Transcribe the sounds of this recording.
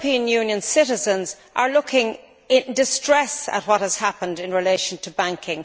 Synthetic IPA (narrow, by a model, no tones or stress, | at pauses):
pʰĩə̃njʉ̃ːnjə̃nsɪɾɪzə̃nz | ʔə˞lʊkʰɪ̃ŋ | ɪ̃ndɪstɹ̥ɛsə̰t̚wɒt̚həz̥hapə̃ndɪ̃nɹɪleɪʃə̃ntʰəbãŋkʰɪ̃ŋ